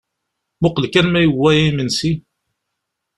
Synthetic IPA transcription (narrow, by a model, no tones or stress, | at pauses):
mʊqəlkænmæjəwːæjimənsi